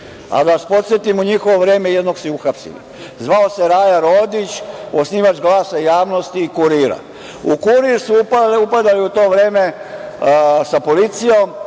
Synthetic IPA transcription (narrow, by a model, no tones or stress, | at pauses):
a̰d̪aʋaspo̞t̪sjet̪imuɲixoʋo̞ʋɾe̞ːmejed̪noɡsiuxapsḭlḭ | zʋaose̞ɾaːjaɾoːd̪it͡ɕosniːʋat͡ʃɡlˠaːsaijaːʋno̞st̪iːkuɾiːɾa̰ | ukuɾiɾsuupaupad̪aliut̪o̞ːʋɾe̞ːme̞ | sapolit̪sijom